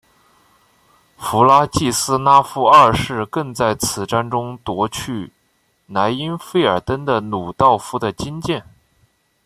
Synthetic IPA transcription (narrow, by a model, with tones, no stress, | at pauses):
fu˧˥la˥t͡ɕi˥˩sɹ̩˥na˥fu˥ɐ˥˧ʂɻ̩˥˧kɤ˥˧ŋt͡sa˥˩ɪt͡sʰɹ̩˨˩ʈ͡ʂa˥nʈ͡ʂʊ˥ŋt̪wɔ˧˥t͡ɕʰy˥˩ | na˧˥ɪi˥nfe˥ɪə˞˨˩t̪ə˥nd̪ə˨nu˨˩t̪ɑ˥˩ʊfu˧˥d̪ə˨t͡ɕi˥nt͡ɕjɛ˥˩n